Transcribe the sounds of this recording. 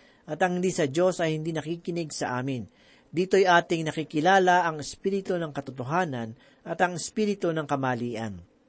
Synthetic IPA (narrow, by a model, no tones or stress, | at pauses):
ʔɐt̪ɐŋhɪnd̪iːsɐd͡ʒo̞sɐjhɪnd̪iːnɐkikɪnɪɡsɐʔaːmɪn | d̪iːt̪ojʔaːt̪ɪŋnɐkikɪlaːlaʔɐŋɛspiːɾɪt̪onɐŋkɐt̪ʊt̪oɦaːnɐn | ʔɐt̪ɐŋɪspiːɾɪt̪onɐŋkɐmaːliːʔɐ̰n